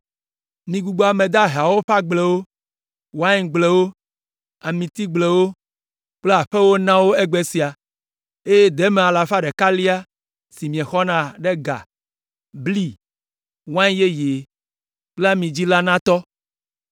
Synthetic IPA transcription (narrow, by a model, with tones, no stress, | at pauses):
mĩ˨ɡu˨ɡ͡bo˦a˨mẽ˨d̪a˦ɦa˨wo˦ɸa˦ɡ͡ble˨wo˦ | wa˦ɲ˦˨ɡ͡ble˨wo˦ | a˨mĩ˨t̪i˦ɡ͡ble˨wo˦ | k͡ple˦a˨ɸe˦wo˦nã˦wo˦ɛ˦ɡ͡be˨si˨a˨ | e˦je˦d̪ɛ˦mẽ˨a˨la˨ɸa˦ɖɛ˨ka˦li˦a˦ | si˨mĩ˨ɛ̃˨xɔ˦nã˦ɖɛ˦ɡa̰˨ | bli˦˨ | wã˦ɲ˦je˦je˨ | k͡pla˦mĩ˨d͡ʑi˦la˦nã˦t̪ɔ˦